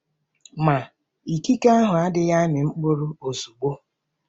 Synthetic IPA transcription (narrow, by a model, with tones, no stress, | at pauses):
ma˨ | i˨ki˦ka˦ɦʊ˨a˦dɪ˦ja˦nɪ˨ŋ͡m̩˦k͡po˦ɾu˦o˨su˨ɡ͡bo˦